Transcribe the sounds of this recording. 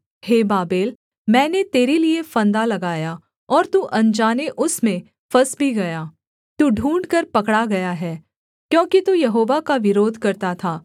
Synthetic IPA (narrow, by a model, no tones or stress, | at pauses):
heːbaːbeːl | mɛ̃ːnet̪eːɾeliefɐ̃nd̪alɐɡaːja | ɔːɾt̪uʔɐ̃nd͡ʒaːneʔʊsmẽ | fɐsbʱiɡɐjaː | t̪uːɖʱũːɳɖkɐɾpɐkɽaɡɐjaɦɛː | kjõːkit̪ujɐɦoːʋakaʋɪɾoːd̪ʱkɐɾt̪at̪ʰaː